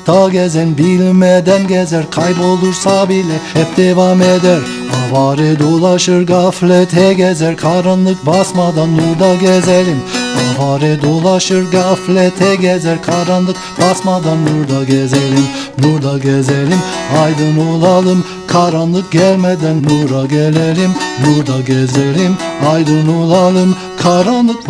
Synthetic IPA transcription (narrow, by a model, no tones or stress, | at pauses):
d̪̥ɑɡʲɛzenbilmed̪ænɡʲezeɾqʰɑjbolˠuɾsɑbilɛep̚d̪ewɑmed̪eɾ | ɑvɑɾed̪olˠɑʃɯɾɡɑflet̪ʰeɡʲɛzeɾkʰɑɾɑnlˠɯq̚bɑsmɑd̪ɑnːuɾd̪ɑɡʲezelimɑvɑɾed̪olˠɑʃɯɾɡɑflet̪ʰeɡʲɛzɛɾkʰɑɾɑnlˠɯq̚ | b̥ɑsmɑd̪ɑnːuɾd̪ɑɡʲɛzɛlʲim | nuɾd̪ɑɡʲɛzɛlʲimɑjd̪ɯnolˠɑlˠɯm | kʰɑɾɑnlˠɯk̚ɡʲɛlʲmɛd̪ænːuɾɑɡʲelelimnuɾd̪ɑɡʲɛzelimɑjd̪ɯnolˠɑlˠɯm | kʰɑɾɑnlˠɯq̚